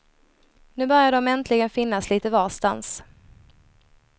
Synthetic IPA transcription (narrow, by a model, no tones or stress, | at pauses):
nʉ̟ːbœɾjaɖɔmɛnt̪ʰlɪɡənfɪnːasliːt̪əvaːst̪a̰ns